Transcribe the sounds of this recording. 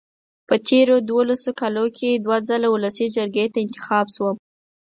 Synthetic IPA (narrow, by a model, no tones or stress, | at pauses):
pət̪ʰeɾod̪wolasokalokʰed̪wad͡zalawʊləsid͡ʒəɾɡet̪aɪnt̪ɪ̥xɑbʃwəm